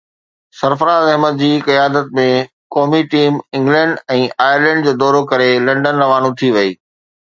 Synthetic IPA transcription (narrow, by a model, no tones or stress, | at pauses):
sɐɾfəɾazɐɦmət̪̚d͡ʑiːkɐjaːd̪ət̪̚mẽ | kɔːmiʈiːmɪ̃ŋɡlɛ̃ːɳɖɛ̃ːʔaːjəɾlɛ̃ːɳɖd͡ʑoːd̪ɔːɾokɐɾelɐ̃ɳɖənːɐʋaːnũt̪ʰiʋɐiː